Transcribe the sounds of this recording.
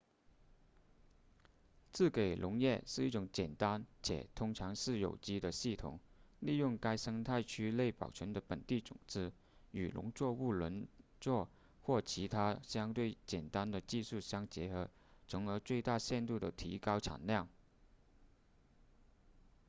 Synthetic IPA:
t͡sɹ̩˥˩ke˨˩ɪlʔʊ˧˥ŋjɛ˥˧ʂɻ̩˥˧i˥˩ʈ͡ʂʊ˧˥ŋt͡ɕjɛ˨˩nt̪a˥nt͡ɕʰjɛ̰˨˩t̪ʰʊ˥ŋʈ͡ʂʰɑ˧˥ŋʂɻ̩˥˩jo˨˩ʊt͡ɕi˥d̪ə˨ɕi˥˩t̪ʰʊ̰˨˩˦ŋli˥˧jʊ˥˩ŋka˥ɪʂɤ˥ŋt̪ʰa˥˩ɪt͡ɕʰy˥le˥˩ɪpɑ̰˨˩ʊt͡ɕʰə˧˥nd̪ə˧˨pə˨˩nt̪i˥˩t͡sʊ̰˨˩ŋt͡sɹ̩˥ | y̰˨˩lʔʊ̰˧˥ŋt͡swɔ˥˧u˥˩lwə˧˥nt͡swɔ˥˧ | xwɔ˥˩t͡ɕʰi˧˥t̪ʰa˥ɕjɑ˥ŋt̪we˥˩ɪt͡ɕjɛ˨˩nt̪a˥nd̪ə˨t͡ɕi˥˧ʂu˥˩ɕjɑ˥ŋt͡ɕjɛ˧˥xɤ˧˥ | t͡sʰɤ˧˥ŋə˞˧˥t͡swe˥˧ɪt̪a˥˧ɕjɛ˥˧nt̪u˥˩d̪ə˩t̪ʰḭ˧˥kɑ˥ʊʈ͡ʂʰa̰˨˩nljɑ˥˩ŋ

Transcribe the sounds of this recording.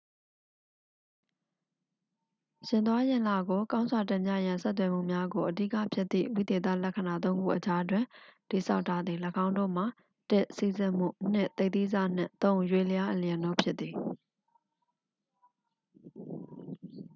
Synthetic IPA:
ɕɪ̃˨nt̪wa˦jɪ̃˨la˨ɡo˨kã˦ʊ̃nzwa˨tɛ̃˦˨mja̰˦˨jã˨nsɛ˦t̪wɛ˨m̥ṵ˦˨mja˦ɡo˨ʔədḭ˦kä̰˦˨pʰjɪ˦t̪ːḭ˦˨ʔwḭ˦˨d̪e˨t̪ä̰˦˨lɛ˦kʰə˨na˨t̪̬õ˦ʊ̃ŋɡṵ˦˨ʔət͡ɕa˦twɪ̃˨ti˨sa˦ʊʔtʰa˦d̪ði˨ləkʰã˦ʊ̃ndo̰˦˨m̥a˨ | tɛ˦˨ʔsi˦˨zɪ̃˦˨m̥ṵ˦˨n̥ɪ̰˦˨ʔt̪e˦ɪt̪i˦˨za̰˦˨n̥ɪ̰̃˦˨t̪õ˦ʊ̃jwe˦˨ləja˦ʔə˨li˨jɛ̃˨no̰˦˨pʰjɪ˦t̪t̪ːi˨

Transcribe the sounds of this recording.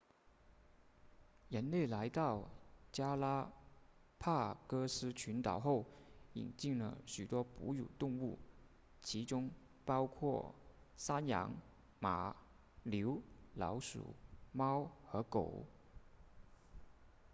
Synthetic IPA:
jə˧˥nle˥˩ɪla˧˥ɪt̪ɑ˥˩ʊt͡ɕja˥la˥ | pʰa˥˩kɤ˥sɹ̩˥t͡ɕʰy˧˥nt̪ɑ˨˩ʊxo˥˩ʊḭ˨˩nt͡ɕi˥˩ŋlə̰˩ɕy˨˩t̪wɔ˥pṵ˧˥jṵ˨˩t̪ʊ˥˧ŋu˥˩ | t͡ɕʰi˧˥ʈ͡ʂʊ˥ŋ | pɑ˥ʊkʰwɔ˥˩ | sa˥njɑ̰˧˥ŋ | ma̰˨˩ | ljo˧˥ʊlɑ̰˧˥ʊʂṵ˨˩˦mɑ˥ʊxɤ˧˥ko̰˨˩˦ʊ

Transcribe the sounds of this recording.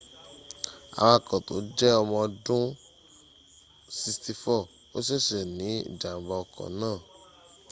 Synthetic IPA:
a̰˨wa˧˨kɔ̃˨to̰˨˦d͡ʒɛ˦ɔ˧mɔ̃˧dũ˦ | si˧sti˧fɔ˦˨ | o˦ʃ̬ɛ˦˨ʃɛ˨nĩ˨˦ḭ˦˨d͡ʒa˨m˨˦ba˧ɔ˨kɔ̰̃˨nãː˦˨

